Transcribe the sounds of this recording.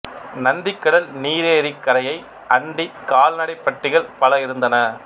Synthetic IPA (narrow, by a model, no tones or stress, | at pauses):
nɐnd̪ɪkːɐɽɐlniːɾeːɾɪkːɐɾɐjɐɪ | ʔɐɳɖikaːlnɐɽɐɪpːɐʈːɪɣɐɭpɐlɐɪɾɯnd̪ɐnɐ